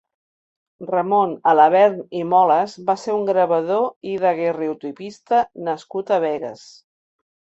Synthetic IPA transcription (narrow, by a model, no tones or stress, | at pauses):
rəmonələβɛɾnimɔləzbaseɾuŋɡɾəβəðoiðəɣereut̪upist̪ənəskut̪əβɛɣə̰s